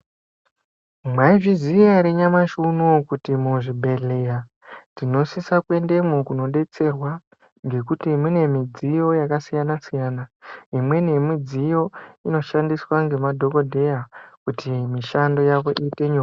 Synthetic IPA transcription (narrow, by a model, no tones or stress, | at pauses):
mwaiʐizijaɾeɲamaʃunokutimuʐibʱe̞ɮe̞ja | tino̞sisakwe̞nde̞mukuno̞ɗe̞t͡se̞rwa | ŋɡe̞kutimune̞mid͡zijo̞jakasijanasijaːnaimwe̞ne̞mid͡zijo̞ino̞ʃandiswaŋɡe̞madʱo̞ko̞dʱe̞jakutʰimiʃando̞jaʋo̞ʔiːte̞ɲoa